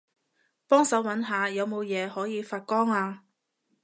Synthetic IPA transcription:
pɔː˥ŋsɐ˨˥wɐ˨˥nɦaː˨˧jɐ˨˧wmo˨˧wjɛː˨˧hɔː˨˥jiː˨˧faː˧t̚kɔː˥ŋaː˧

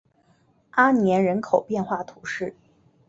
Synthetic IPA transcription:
a˥njɛ˧˥nɻə˧˥nkʰo˨˩ʊpjɛ˥˧nxwa˥˩t̪ʰu˧˥ʂɻ̩˥˩

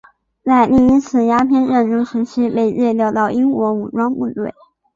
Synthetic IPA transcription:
t͡sa˥˧ɪni˥˩i˥ŋt͡sʰɹ̩˨˩ja˥pʰjɛ˥˧nɻə˥˩nʈ͡ʂʊ˥˩ʂɻ̩˧˥t͡ɕʰi˥pe˥˧ɪɻɛ˥˧ljɑ˥˧ʊt̪ɑ˥˩ʊʔi˥ŋkwɔ˧˥u˨˩ʈ͡ʂwɑ˥ŋpu˥˧t̪we˥˩ɪ

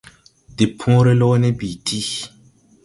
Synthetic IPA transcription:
di˨pʰũ˦ɾe˦lo˦ne˦bi˨tʰi˦

